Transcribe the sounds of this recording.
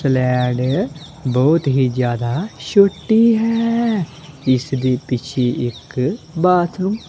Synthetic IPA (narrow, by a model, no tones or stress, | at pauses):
slɛːɖ | bɔːt̪ɦiːd͡ʒjaːd̪aːʃoʈːiːɦɛː | ɪsd̪eːpɪt͡ʃʰeːʔɪkbaːt̪ʰnũː